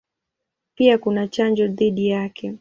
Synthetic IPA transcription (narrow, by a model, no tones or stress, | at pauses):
piakunat͡ʃand͡ʒɔðiɗijakʰɛ